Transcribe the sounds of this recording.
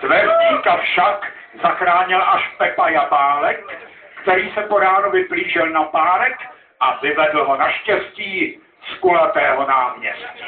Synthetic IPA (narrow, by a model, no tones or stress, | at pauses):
t̪vɛrɲiːkafʃak | zaxɾaːɲɪlʔaʃpɛpajabaːlɛkː | t̪ɛɾiːsɛpoɾaːnovɪbliːʒɪlnapaːɾɛk | ʔavɪvɛdl̩ɦo̞naʃcɛsciː | skulat̪ɛːɦo̞naːmɲɛst̪